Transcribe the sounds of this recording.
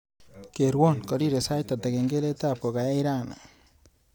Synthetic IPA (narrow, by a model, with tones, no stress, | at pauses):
ke˨ɾwo˦nko˨ɾi˦ɾe˨sa˦jt̪a˨t̪a˨ke˨ŋɡe˦le˦ta˦p̚ko˨ka˨ja˦i˦ɾa˦na̰˨